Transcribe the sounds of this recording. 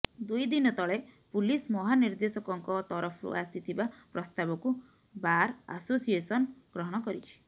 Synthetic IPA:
d̪ujd̪inɔt̪ɔɭepulismɔɦaniɾd̪esɔkɔŋkɔt̪ɔɾɔpʰɔɾṵʔasit̪ʰibapɾɔst̪abɔku | baɾa̰sosiesɔnɡ̥ɾɔɦɔɽ̃ɔkɔɾit͡ʃʰi̥

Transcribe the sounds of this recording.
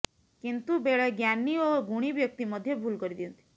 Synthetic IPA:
kint̪ubeɭeɡjanːioɡuɽ̃ibjək̚t̪iməd̪ʱjebʱulkɔɾid̪iənt̪i̥

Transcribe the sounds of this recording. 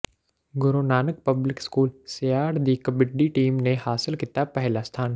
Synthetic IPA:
ɡʊɾoːnaːnək̚pɐblɪkskuːlsejaːɖd̪ikəbɪɖːiʈiːmnehaːsɪlkɪt̪apɛɦlast̪ʰaːn

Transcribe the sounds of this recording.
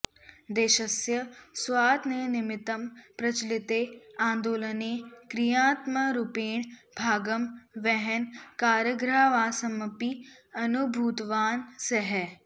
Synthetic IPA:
d̪eːʃɐsjɐswaːd̪nenɪmɪt̪ɐmpɾɐt͡ʃlɪt̪eãːnd̪oːlɐneːkɾijaːt̪məɾupeːɳbʱaːɡəmʋɛɦɛnkaːɾjəɡɾaːʋaːsɐmɐpiɐnubʱuːt̪ʋaːnseɦɛ

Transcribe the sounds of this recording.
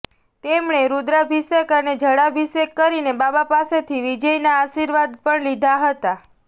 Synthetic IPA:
t̪emɳ̃eɾud̪ɾabʱisekəned͡ʒʱəɽabʱisekːəɾinebabapaset̪ʰiʋid͡ʒəjnaːʃiɾʋad̪pəɳlid̪ʱaɦət̪a

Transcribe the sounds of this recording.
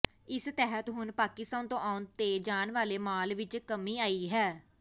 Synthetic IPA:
ɪst̪ɛːɦət̪ɦʊnpaːkɪst̪ãːnt̪õːʔaːʊnt̪eːd͡ʒaːnʋaːleːmaːlʋɪt͡ʃkəmiːaːiːɦɛː

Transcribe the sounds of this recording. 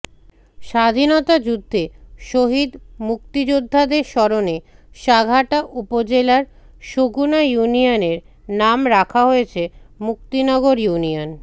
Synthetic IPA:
ʃad̪ʱinɔt̪ad͡ʑud̪ʱːeʃoɦid̪muk̚t̪id͡ʑod̪ʱːad̪eɾʃɔɾoneʃaɡʱaʈaʔupod͡ʑelaɾ | ʃoɡunajunioneɾ | namɾakʰaɦojet͡ɕʰemuk̚t̪inɔɡoɾjunion

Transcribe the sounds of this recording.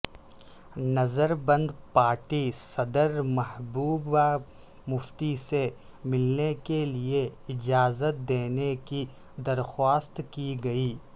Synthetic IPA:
nɐzəɾbɐ̃nd̪paːɾʈisɐd̪əɾmɐɦbuːba | mʊft̪ise | mɪlnekelieɪd͡ʒaːzət̪̚d̪eːneki | d̪ɐɾxwaːst̪kiɡɐiː

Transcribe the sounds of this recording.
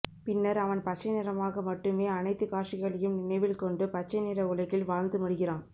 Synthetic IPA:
pɪnːɐɾɐʋɐnpɐt͡ʃːɐnɪɾɐmaːɣɐmɐʈːɯmeːɐnɐɪt̪ːɯkaːʈt͡ʃɪɣɐɭɐjɯmnɪnɐɪʋɪlkɔɳɖɯpɐt͡ʃːɐnɪɾɐʊɭɐɪɣɪlʋaːɻnd̪ɯmʊɽɯɣɪraːn

